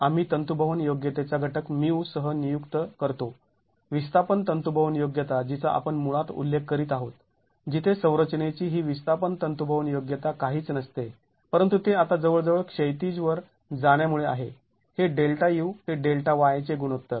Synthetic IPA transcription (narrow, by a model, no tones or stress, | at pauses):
am̤iːt̪ənt̪ubʱəʋənjoɡjət̪et͡saɡʱəʈəkmiwsəɦənijukt̪əkəɾt̪o | ʋist̪apənt̪ənt̪ubʱəʋnjoɡjət̪ad͡ʑit͡saʔa̰pəɳmuɭat̪ṵlːekːəɾiːt̪aɦot̪ | d͡ʑit̪ʰesə̃w̃ɾət͡ɕnet͡ɕiːɦiːʋist̪ʰapənt̪ənt̪ubʱəʋənjoɡjət̪akaɦiːt͡snəst̪e | pəɾənt̪ut̪eat̪ad͡zəʋəɭd͡zəʋəɭkʂəjt̪id͡zʋəɾ | d͡zaɽ̃jamuɭea̰ɦe | heɖelʈajiwheɖelʈaʋajt͡seɡuɽ̃ot̪ːə